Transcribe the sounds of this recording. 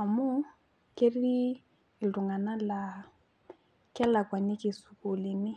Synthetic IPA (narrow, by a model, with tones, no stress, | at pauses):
a˨mʊ˦ | ke˦ɾi˦ | i˨ldu˨ŋɡa˨na˦la˨ | kɛ˦la˨kwa˨nɪ˦kɪ˨su˨ku˨lɪ˨nɪ˦